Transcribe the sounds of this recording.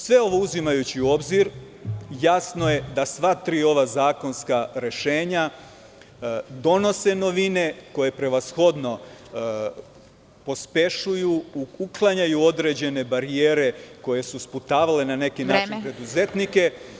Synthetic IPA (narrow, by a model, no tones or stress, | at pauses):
sʋe̞o̞ʋo̞uzimajut͡ɕiuo̞bziɾ | jasno̞je̞d̪asʋat̪ɾiːo̞ʋazaːko̞nskaɾe̞ʃe̞ːɲa | d̪o̞no̞se̞no̞ʋine̞ko̞je̞pɾe̞ʋasxo̞d̪no̞ | po̞spe̞ʃujuuklˠaɲajuo̞d̪ɾe̞d͡ʑe̞ne̞baɾijeːɾe̞ko̞je̞susput̪aːʋale̞nane̞kinaːiipɾed̪uze̞t̪nike̞